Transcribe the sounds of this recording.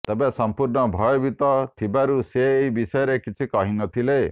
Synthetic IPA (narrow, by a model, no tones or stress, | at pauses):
t̪ebesɔmpuɾɳɔbʱɔjɔbit̪ɔt̪ʰibaɾuseːibisɔjɔɾekit͡ʃʰikɔɦinɔt̪ʰile